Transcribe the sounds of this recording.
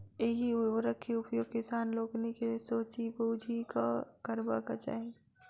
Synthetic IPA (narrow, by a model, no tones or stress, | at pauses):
eɦiʊwəɾəkʰːeʊpjoːɡ̚kɪsaːnloːknekesoːt͡ʃiboːd͡ʒʱikakəɾba̰kat͡ʃa̰ːɦe